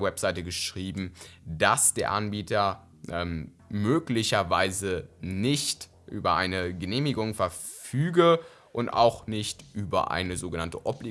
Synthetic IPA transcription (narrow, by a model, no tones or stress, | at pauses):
wɛpz̥aɪtəɡəʃʁ̥iːbm̩d̥asd̥eːɐʔanbiːtɐ | ʔɛm | møːklɪçɐvaɪzənɪçt | ʔy̰ːbɐʔaɪnəɡəneːmɪɡʊŋfɛɐfyːɡə | ʔʊnta̰ʊxnɪçtʔyːbɐ̰ʔa̰ɪnəzoːɡənantəʔɔbli